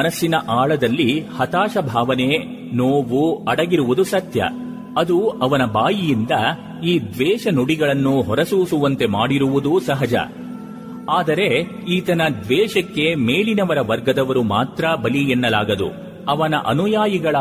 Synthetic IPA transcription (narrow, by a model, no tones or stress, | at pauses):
ɐnɐsːinɐʔaːɭɐd̪ɐlːihɐt̪aːʃɐbʱaːʋɐne̞ | noːʋuɐɽɐɡiɾuʋud̪usɐt̪jɐ̰ | ɐd̪uɐʋɐnɐbaːjijind̪ɐ | iːd̪ʋɛːʃɐnuɽiɡɐɭɐnːuɦɔɾɐsuːsuʋɐnt̪e̞maːɽiɾuʋud̪usɐɦɐd͡ʒɐ̰ | aːd̪ɐɾe̞ | iːt̪ɐnɐd̪ʋɛːʃɐkːe̞meːlinɐʋɐɾɐʋɐɾɡɐd̪ɐʋɐɾumaːt̪ɾɐbɐliɛnːɐlaːɡɐd̪ṵ | ɐʋɐnɐʔɐnujaːjiɡɐɭɐ